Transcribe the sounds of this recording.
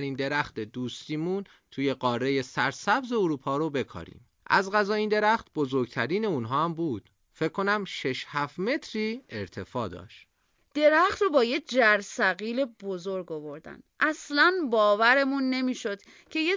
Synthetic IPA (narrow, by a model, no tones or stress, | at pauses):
ɾiːnd̪e̞ɾæxt̪e̞d̪uːst̪iːmuːn | t̪ʰuːje̞ɢɒːrːe̞je̞sæɾsæbze̞oɾuːpʰɒːɾobe̞kʰɒ̰ːɾḭːm | ʔæ̰zɢæzɒːiːnd̪e̞ɾæxt̪bo̞zo̞ɾɡt̪ʰæɾiːne̞uːnɦɒːæmbuːd̪̥ | fe̞cʰkːo̞næmʃeʃhæfme̞t̪ʰɾiːeɾt̪ʰe̞fɒːd̪ɒ̰ːʃt̪ | d̪̥e̞ɾæxt̪ɾobɒːjec̚d͡ʒæɾsæɣiːle̞bo̞zo̞ɾɡo̞vo̞ɾd̪æ̰nʔæslænbɒːvæɾe̞munːe̞miːʃo̞d̪̥ | cʰe̞je